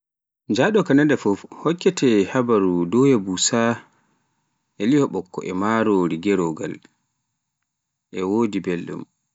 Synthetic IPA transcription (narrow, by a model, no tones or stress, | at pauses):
ɲd͡ʒaɗɔkanandɛfɔfhɔkːɛtʰɛhabaɾudɔwhɛbusa | ʔɛlihɔɓɔkːɔ̰ʔɛmaːɾoɾiɡɛɾɔɡa̰l | ʔɛwoːdibelːṵm